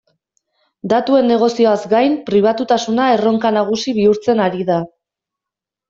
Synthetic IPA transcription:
d̪at̪ue̞nːe̞ɣ̞o̞sio̞azɡajmpɾiβ̞at̪ut̪asunae̞ro̞ŋkanaɣ̞usiβ̞iuɾt͡se̞naɾiða

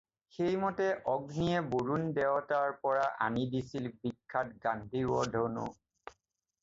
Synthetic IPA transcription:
xejmɔtɛʔɔɡniɛboɹundɛwtaɹpɔɹaʔa̰nidisilbikʰːatɡandʱiɹɔdʱonṵ

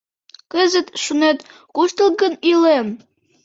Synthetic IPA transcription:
kəzət̪ʃunet̪ | kuʃt̪əl̚ɡənilem

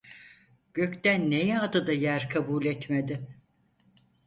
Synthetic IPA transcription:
ɟ̥ø̞ct̪ænːejɛad̪ɯd̪ajæɾkʰabuːlʲɛt̪med̪ɪ

